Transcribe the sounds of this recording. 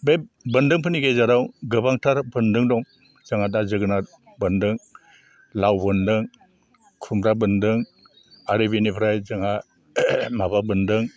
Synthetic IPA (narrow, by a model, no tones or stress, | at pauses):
bebɯndɯŋpʰɯniɡejzaɾawɡɯbaŋtʰaɾbɯndɯŋdɔŋ | z̥aŋadazɯɡɯna | bɯndɯŋ | lawbɯndɯŋ | kʰumɾabɯndɯŋ | aɾɯbinipʰɾajzaŋa | mababɯndɯŋ